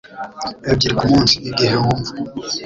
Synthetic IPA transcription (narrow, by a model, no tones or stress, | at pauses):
ebɟiɾikumuːnsiiɡeheuːɱvu